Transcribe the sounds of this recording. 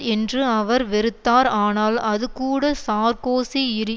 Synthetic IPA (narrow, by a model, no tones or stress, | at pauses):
ɛndrɯɐʋɐɾʋɪɾɯt̪ːaːɾaːnaːlɐðɯkuːɽɐsaːɾkoːsiɪɾɯ